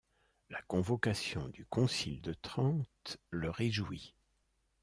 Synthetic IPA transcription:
lakɔ̃vɔkasjɔ̃d̪ykɔ̃sild̪ət̪χɑ̃t̪ləʁeʒwi

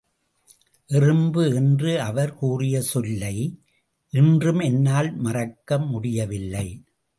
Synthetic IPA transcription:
ʔɪrɯmbɯɛndrɯɐʋɐɾkuːrɪjɐsɔlːɐɪ | ʔɪndrɯmɛnːaːlmɐrɐkːɐmːʊɽɪjɐʋɪlːɐɪ

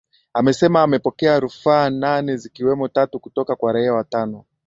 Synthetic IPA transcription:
amɛsɛmaːmɛpɔkɛaɾufaːnanɛzikiwɛmɔtatukutɔkakwaɾaiawatanɔ

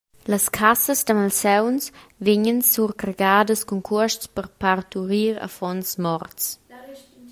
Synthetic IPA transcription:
ləskʰasəsdəmalsɛwnsvɪɲənsuɾkɾeɡaːdəskɔŋkʰuəʃtspəɾpaɾt̪uɾiːɾə̰fɔnsmɔrts

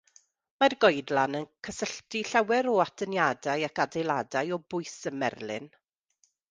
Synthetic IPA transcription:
marɡɔjdlˠanənkʰəsəɬtiɬawɛɾɔatʰənjadajakadejlˠadajɔbʊɨsəmɛ̰rlˠɪ̰n

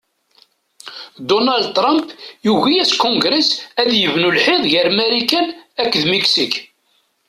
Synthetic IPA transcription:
d̪onald̪̚t̪ɾɑmpjuʝæjæskːɔ̃ŋɡɾesæðjəvnulħɪðˤʝəɾmæɾikænækːðmiksik

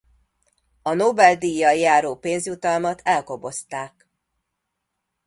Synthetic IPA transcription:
ɒnobɛld̪ijɒjːaːɾoːpeːnzjut̪ɒlmɒt̪ʰɛlkobo̞st̪aːk

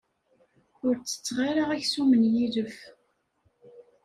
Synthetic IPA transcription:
ʊɾt͡sːə̥t͡sːʁaɾaʁæçsumənjiðəf

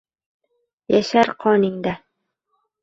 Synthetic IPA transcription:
jaʃaɾqʰɒnɪŋd̪a

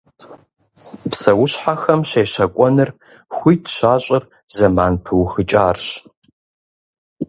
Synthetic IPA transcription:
psɐwʊɕħaxɐmɕeːɕɐkʷʼɔnɨr | xʷijtʰɕaːɕʼɪr | zɐmaːnpʰɨwxɨt͡ʃʼaːrɕ

